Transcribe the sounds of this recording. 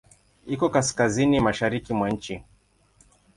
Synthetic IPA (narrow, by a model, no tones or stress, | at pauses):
ikɔkaskazinimaʃaɾikimwan̩t͡ʃi